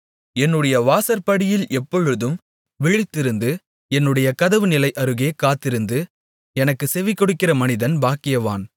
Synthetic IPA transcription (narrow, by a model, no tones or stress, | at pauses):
ɛnːɯɽɐjɐʋaːsɐɾpɐɽɪjɪlɛpːɔɻɯðɯm | ʋɪɻɪt̪ːɪɾɯnd̪ɯ | ɛnːɯɽɐjɐkɐðɐʋɯnɪlɐɪʔɐɾɯɣeːkaːt̪ːɪɾɯnd̪ɯ | ɛnɐkːɯsɛʋɪkːɔɽɯkːɪrɐmɐnɪðɐnbaːkɪjɐʋa̰ːn